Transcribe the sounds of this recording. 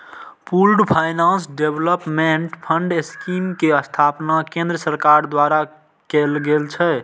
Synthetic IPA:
pʰulɖpʰajnãnsɖebləpmeɳʈpʰəɳɖeskimkeəst̪ʰapnakẽnd̪ɾəsəɾkaɾd̪waɾa | kelɡelt͡ʃʰɛ

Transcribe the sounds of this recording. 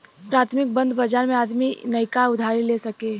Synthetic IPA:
pɾaːt̪ʰmɪk̚bə̃nd̪bad͡ʒaːɾmẽaːd̪minɐɪkaʊd̪ʱaːɾileːsɐkeː

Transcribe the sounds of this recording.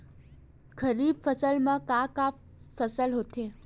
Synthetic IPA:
kʰəɾibfəsəlmãkaka | fəsəlɦot̪ʰe

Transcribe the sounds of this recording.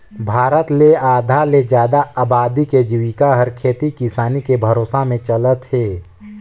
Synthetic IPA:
bʱaːɾət̪leaːd̪ʱaled͡ʒjaːd̪aabaːd̪iked͡ʒiʋɪkaɦɐɾkʰeːt̪ikɪsaːnikebʱɐɾoːsamẽt͡ʃələt̪ɦeː

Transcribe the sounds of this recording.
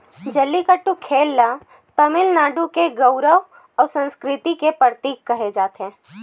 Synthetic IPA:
d͡ʒəlːikəʈːũkʰeːlːa | t̪əmɪlnaːɖũkeɡəʊɾəʋ | ɔːɾsə̃nskɾɪt̪ikepɾəɾt̪iːkːɐɦed͡ʒaːt̪ɦɛ̃ː

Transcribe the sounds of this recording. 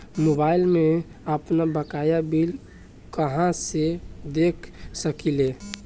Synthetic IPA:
mobaːɪlmẽ | əpnabəkaːjabil | kəɦãsed̪eːkʰsəkile

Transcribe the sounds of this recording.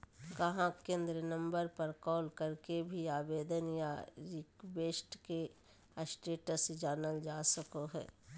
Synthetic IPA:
kɐɦãkẽːnd̪ɾənə̃mbəɾpəɾkɔːlkəɾkebʱiaːbeːd̪ənjaɾiːkbeːsʈke | əsʈeːʈəsd͡ʒaːnəld͡ʒaːsəkoɦɛ̰ː

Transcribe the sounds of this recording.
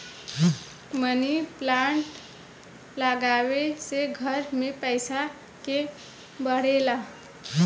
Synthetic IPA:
məniplaɳʈ | ləɡaweseɡʱəɾmepəjsa | ke | bəɽ̤ela

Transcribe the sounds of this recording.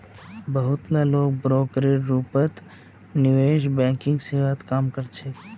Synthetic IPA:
bəɦʊt̪laloːɡ̚bɾoːkɾeɾuːpət̪ | nɪʋeːʃbɛ̃ːkɪ̃ŋɡseːʋaːt̪kaːmkəɾt͡ʃʰeː

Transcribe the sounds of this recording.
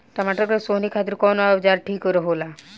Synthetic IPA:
t̪ɔmaʈəkɾesoːnikʰat̪iɾkɔːnoaʋd͡ʒaːɾʈʰiːkːoɾeɦoːla

